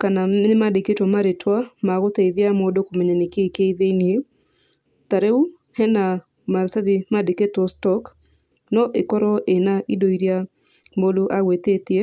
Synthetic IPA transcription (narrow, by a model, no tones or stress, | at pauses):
kanaɪmadeketɔmaɾetwamaɣɔteiðɪamɔdokomeɲenɪkekeiðenje | t̪aɾeu | hɛna | maɾsaðimadeketɔstɔk | nɔʔɪkɔɾɔʔenaʔidoiɾja | moluʔawetet̪je